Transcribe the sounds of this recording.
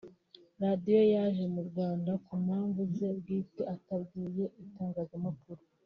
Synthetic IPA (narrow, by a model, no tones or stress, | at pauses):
ɾadijo̞jaʒe̞muɾɡwaːndakumhaːɱvuze̞bɡiːteatabɡiːje̞ʔitaːŋɡaːzamakuɾo